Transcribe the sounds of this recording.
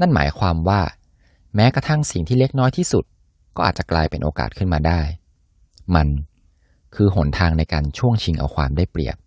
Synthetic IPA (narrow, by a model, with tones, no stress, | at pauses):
na˥˩nma̰ː˩˦jkʰwaː˧mwaː˥˩ | mɛː˦˥kɾa˧t̪ʰa˥˩ŋsi˨˩ŋt̪ʰiː˥˩le˦˥˩k̚nɔː˦˥jt̪ʰiː˥˩su˨˩t̪̚ | kɔː˥˩ʔa̰ː˨t̪̚t͡ɕa˨˩klaː˧jpe˧nʔoː˧ka̰ː˨˩t̪̚kʰɯ˥˩nmaː˧daː˥˩j | ma˧n | kʰɯː˧ɦo˩˦nt̪ʰaː˧ŋna˧jkaː˧nt͡ɕʰu˥˩əŋt͡ɕʰi˧ŋʔa̰˧wkʰwa̰ː˧mdaː˥˩jplḭ˨˩əp̚